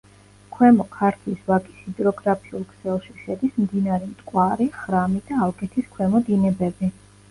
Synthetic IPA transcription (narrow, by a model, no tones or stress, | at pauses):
kʰwɛmɔkʰaɾt̪ʰlisvakʼi̥sid̪ɾɔɡɾapʰiulˠkʰsɛlˠʃiʃɛd̪ismd̪inaɾɛmt̪ʼkʼwaɾiχɾamid̪aːlˠɡʼɛt̪ʰiskʰwɛmɔd̪inɛbɛbi